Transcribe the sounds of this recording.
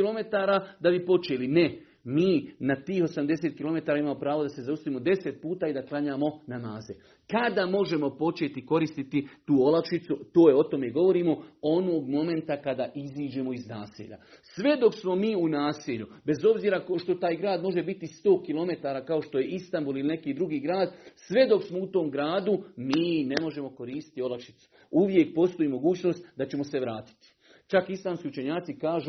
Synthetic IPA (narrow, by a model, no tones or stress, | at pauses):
ilo̞me̞t̪aːɾad̪abipo̞t͡ʃeline | miːnat̪iːxo̞samd̪e̞seːt̪̚kilˠo̞me̞t̪aːɾaimaːmopɾaːʋo̞d̪ase̞zaust̪iːmo̞d̪e̞set̪̚puːt̪aːid̪aklˠaɲaːmo̞namaːze | kad̪aːmo̞ʒe̞mo̞po̞t͡ʃet̪iko̞ɾist̪it̪it̪uːo̞lafʃit̪sut̪o̞ːjeo̞t̪o̞meɡo̞ʋo̞ɾiːmo̞o̞no̞ːɡmo̞me̞nt̪akad̪aːʔiziːd͡ʒe̞ːmo̞iznaːsḭːʎa̰sʋe̞d̪o̞ksmo̞miːunaːsiʎube̞zo̞bziːɾakoʃt̪o̞t̪aːjɡɾaːd̪mo̞ʒe̞bit̪ist̪o̞ːkilˠo̞me̞t̪aːɾaːkao̞ʃt̪o̞je̞ist̪ambuːliline̞kiːd̪ɾuɡiːɡɾaːd̪sʋe̞d̪o̞ksmo̞ut̪o̞ːmɡɾaːd̪umiːne̞mo̞ʒe̞mo̞ko̞ɾiːst̪i̥t̪io̞lakʃi̥t̪su̥ | uʋje̞k̚po̞st̪o̞iːmo̞ɡuːt͡ɕno̞st̪d̪at͡ɕe̞mo̞se̞ʋɾaːt̪i̥t̪i̥ | t͡ʃakislˠaːmskiːut͡ʃe̞ɲaːt̪sikaːʒu